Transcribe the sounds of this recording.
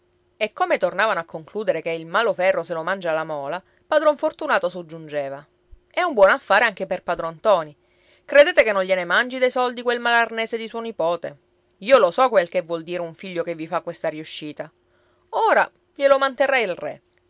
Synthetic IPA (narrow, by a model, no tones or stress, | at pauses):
ekːomet̪ornaːvanoakːoŋkluːd̪eɾekeilmaːlofɛrːoselomand͡ʒalamɔːla | pad̪ɾɔɱfort̪unaːt̪osod͡ʒːund͡ʒeːva | ɛumbwɔnafːaːɾeaŋk̟eperpaːd̪ɾont̪ɔːni | kɾed̪eːt̪ekenːõɲʎːjenemand͡ʒid̪ejsɔld̪ikwelmalarneːsed̪isuonipɔːt̪e | iːolosɔkwelk̟evːwɔld̪iːɾeuɱfiʎːokevːifakːwest̪ariuʃːiːt̪a | oːɾa | ʎelomant̪erːailrɛ̰